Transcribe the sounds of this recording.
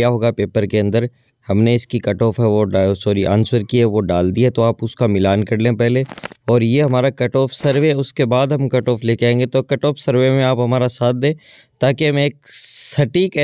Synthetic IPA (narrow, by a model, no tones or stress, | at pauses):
jaɦoːɡapeːpəɾkeɐ̃nd̪əɾ | hɐmneɪskikɐʈoːfɦɛʋoɖaːjosoːɾiʔa̰ːnswəɾkiɦɛʋoɖaːld̪iɦɛt̪oaːpʊskamɪlaːnkɐɾlẽːpɛɦleɔːɾjeɦɐmaːɾakɐʈoːfsɐɾʋeʊskebaːd̪ɦɐ̃mkɐʈoːfleːkeãẽːŋɡet̪okɐʈoːfsɐɾʋemẽaːpɦɐmaːɾasaːt̪̚ʰd̪ẽː | t̪aːkeɦɐmeːk̚sɐʈiːkː